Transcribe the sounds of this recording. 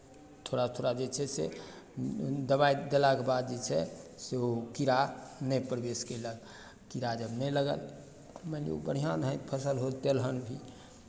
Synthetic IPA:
t̪ʰoɽat̪ʰoɽad͡ʒet͡ʃʰɛsḛ | d̪əbaid̪elakebad̪d͡ʒet͡ʃʰɛseokiɾanɛpɾbeskeləɡ | kiɾad͡ʒəbnɛləɡə̰l | mɛlḭo̰bəɽ̤ijãd̪ʱə̃t̪pʰəsəlɦot̪elɦənbʱi

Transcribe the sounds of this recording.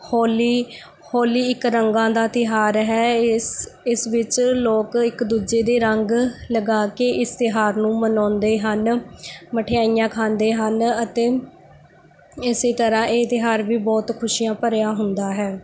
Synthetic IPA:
hɔːliː | hɔːliːɪkɾəŋɡãːd̪aːt̪ɪɦaːɾɦɛː | ɪsʋɪt͡ʃloːkɪkd̪uːd͡ʒeːd̪eːɾəŋɡləɡaːkeːʔɪst̪ɪɦaːɾnũːmənɔ̃ːnd̪eːɦənməʈʰejaːijãːkʰãːnd̪eːɦənət̪eː | ɪseːt̪əɾãːʔeːt̪ɪɦaːɾʋiːbɔːt̪kʰʊʃijãːpəɾjaːɦʊnd̪aːɦɛː

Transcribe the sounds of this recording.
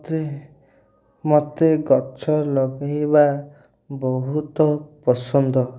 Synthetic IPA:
t̪e | mɔt̪eɡɔt͡ʃʰɔlɔɡaɦiba | bɔɦut̪ɔpɔsɔnd̪ɔ

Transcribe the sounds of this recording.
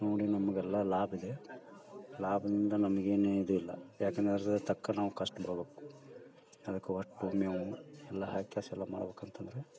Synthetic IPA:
no̞ːɽinɐmːɐɡɛlːɐlaːbid̪e̞ | laːbɐd̪ind̪ɐnɐmɐɡeːneid̪uilːɐ̰jaːkend̪ɐɾɐɐd̪t̪ɐkːɐnaːʋukɐʂʈbɐɽɐbeːku̥ | ɐd̪ɐkːeɦɐʈːumeʋuɛlːɐɦaːkjaːsɛlːɐma̰ːɽɐbeːkɐnt̪ɐnd̪ɐɾe

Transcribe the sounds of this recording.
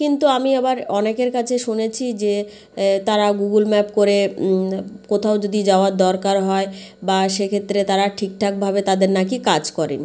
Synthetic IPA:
kint̪uamiabaɾɔnekeɾkat͡ɕʰeʃunet͡ɕʰid͡ʑe | t̪aɾaɡuɡulmɛpkoɾe | kot̪ʰaod͡ʑod̪id͡ʑaoaɾd̪ɔɾkaɾɦɔe | baʃekʰet̪ːɾet̪aɾaʈʰik̚ʈʰak̚bʱabet̪ad̪eɾnakikad͡ʑkɔɾḛni

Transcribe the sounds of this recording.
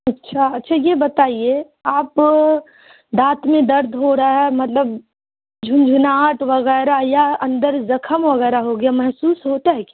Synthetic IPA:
ɐtːʃʰaɐtːʃʰajebɐt̪aːie | aːp | d̪aːt̪mẽd̪ɐɾd̪ʱɦoɾaɦɛmɐt̪ləb | d͡ʒʱʊnd͡ʒʱunaːʈʋəɣɛːɾajaɐ̃nd̪əɾzɐkʰəmʋɐɣɛːɾaɦoɡejamɛɦsuːsɦot̪aɦɛka

